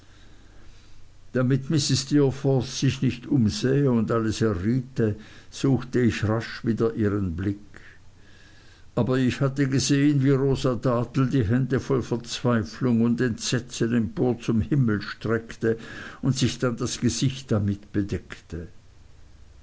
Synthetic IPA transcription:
d̥amɪtmɪsɪstifɔssɪçnɪçtʔʊmzɛːəʊndʔaləsɛɐʁiːtəz̥uːxtəɪçʁaʃviːdɐʔiːʁənblɪk | ʔaːbɐɪçhatəɡəzeːənviːʁoːzadaːtl̩diːɦɛndəfɔlfɛɐt͡sv̥aɪflʊŋʊndɛntz̥ɛt͡sənɛmpoːɐt͡sʊmhɪml̩ʃtʁ̥ɛktəʊntsɪçd̥andasɡ̥əzɪçtd̥amɪtb̥ədɛktə

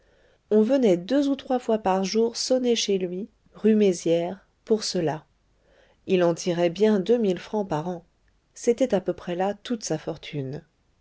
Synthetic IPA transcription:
ɔ̃vənɛd̪øzut̪χwafwapaʁʒuʁsɔneʃelɥi | ʁymezjɛʁ | puʁsəla | ilɑ̃t̪ʰiʁɛbjɛ̃d̪ømilfχɑ̃paʁɑ̃ | set̪ɛt̪apøpχɛlat̪ut̪safɔʁt̪ʰyn

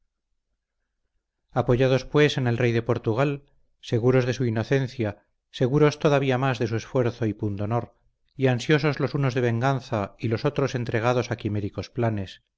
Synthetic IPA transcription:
apo̞ʝað̞o̞spwe̞se̞ne̞lre̞jðe̞po̞ɾt̪uɣ̞al | se̞ɣuɾo̞zðe̞suino̞θe̞nθja | se̞ɣuɾo̞st̪o̞ðaβiamazðe̞s̬ue̞sfwe̞ɾθo̞ipund̪ono̞ɾ | iansjo̞so̞zlo̞suno̞zðe̞β̞e̞ŋɡanθailo̞so̞t̪ɾo̞se̞nt̪ɾe̞ɣ̞að̞o̞sakimeɾiko̞splane̞s

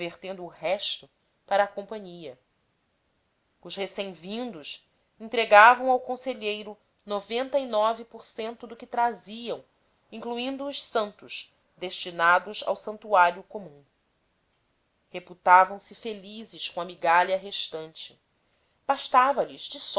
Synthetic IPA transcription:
veχt̪ẽnd̪ʊːhɛʃt̪ʊ | paɾɐːkõmpɐ̃ɲiɐ | ʊʃhesẽj̃vĩnd̪ʊʃ | ĩnt̪ɾeɡavɐ̃w̃awkõseʎejɾʊ | novẽnt̪ɐinɔvipoɾsẽnt̪ʊd̪ʊkɪt̪ɾaziɐ̃w̃ | ĩŋkluĩnd̪ʊːʃsɐ̃nt̪ʊʃ | d̪eʃt͡ʃinad̪ʊza̰wsɐ̃nt̪uaɾjʊkomũ | heput̪avɐ̃w̃sɪfelizɪʃkõɐmiɡaliɐɦeʃt̪ɐ̃nt͡ʃɪ̥ | b̥aʃt̪avɐlɪzd͡ʒɪs

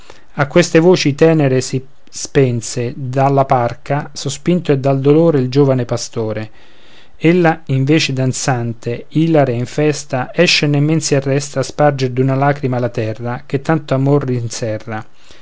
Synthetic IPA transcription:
akːwest̪evoːt͡ʃit̪ɛːneɾesi | spɛnsed̪alːaparkasospint̪oɛd̪ːald̪oloːɾeild͡ʒoːvanepast̪oːɾe | elːaiɱveːt͡ʃed̪ant̪sant̪eilaɾeiɱfɛst̪aɛʃːenemːɛnsiarːɛst̪aspard͡ʒeɾd̪unalaːkɾimalat̪ɛrːak̟et̪ːant̪oamorːinsɛrːa

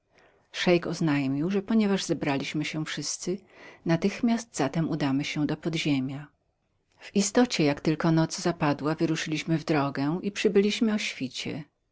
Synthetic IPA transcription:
ʂɛjkɔznajmʲiwʐɛpɔɲɛvaʐz̥ɛbɾalʲiɕmɘɕɛfʂɘst̪sɘnat̪ɘxmʲast̪zat̪ɛmud̪amɘɕɛ̃d̪ɔpɔd̪ʑemʲja | v̥ist̪ɔt͡ɕɛjakt̪ɘlkɔnɔt̪zzapad̪wavɘɾuʂɘlʲiɕmɘvd̪ɾɔɡɛʔipʂɘbɘlʲiɕmɘɔɕfʲit͡ɕɛ̰

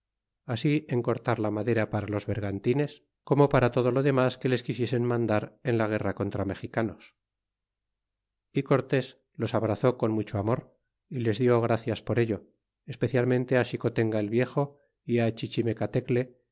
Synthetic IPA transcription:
asiʔeŋko̞ɾt̪aɾlamaðe̞ɾapaɾalo̞zβeɾɣant̪ine̞s | ko̞mo̞paɾat̪o̞ð̞o̞lo̞ðe̞maske̞le̞skisje̞se̞nmãnd̪aɾe̞nlaɣ̞e̞rako̞nt̪ɾame̞xikano̞s | iko̞ɾt̪e̞s | lo̞saβɾaθo̞ko̞nmut͡ʃoamo̞ɾ | ile̞zðjo̞ɣ̞ɾaθjaspo̞ɾe̞ʎo̞ | espe̞θjalmẽnt̪e̞aʃiko̞t̪e̞ŋɡaelβje̞xo̞ | iat͡ʃit͡ʃime̞kat̪e̞kle̞

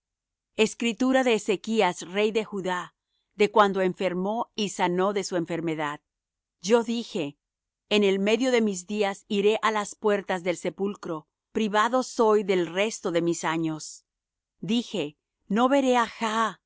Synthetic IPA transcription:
eskɾit̪uɾaðe̞ːse̞kiasre̞jðe̞xuða | ðe̞kwand̪o̞e̞ɱfe̞ɾmo̞isano̞ðe̞sue̞ɱfe̞ɾme̞ðað | ɟ͡ʝo̞ðixe̞ː | ne̞lme̞ðjo̞ðe̞mizðiasiɾe̞ʔalaspwe̞ɾt̪azðelse̞pulkɾo̞ | pɾiβaðo̞so̞jðe̞lre̞st̪o̞ðe̞misaɲo̞s | d̪ixe̞ | no̞βe̞ɾe̞axa

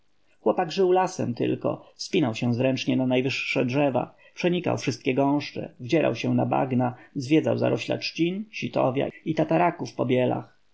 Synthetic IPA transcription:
xwɔpaɡʐɘwlasɛ̰mt̪ɘ̰lkɔ̰fspʲinawɕɛ̃zɾɛnt͡ʂɲɛnanajvɘʂːɛdʐɛva̰ | pʂɛɲika̰wfʂɘst̪kʲɛɡɔ̃w̃ʂt͡ʂɛ̰vd͡ʑɛɾʔa̰wɕɛ̃naba̰ɡnazvʲjɛd̪za̰wza̰ɾʔɔɕla̰t͡ʂt͡ɕinɕit̪ɔvʲja̰it̪at̪aɾakufpɔbʲjɛla̰x

